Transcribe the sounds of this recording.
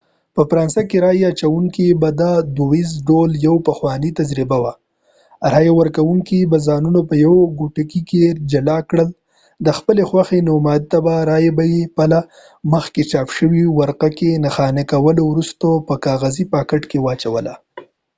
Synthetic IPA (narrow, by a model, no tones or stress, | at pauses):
pəfɾɑnsakeɾɑjeat͡ʃawuŋkibad̪ad̪oizɖoljawpəxwɑnit̪ad͡ʒɾibawa | ɾɑjewəɾkawuŋkibazɑnunopəjawɡuʈakiked͡ʒalɑkɽəl | d̪əxpəlexwaxenomɑd̪̚t̪abaɾɑjebajepala | məxket͡ʃɑpʃəwiwaɾqakenaxɑnekawəlowɾust̪opəkɑɣazipɑkəʈkewɑt͡ʃawəla̰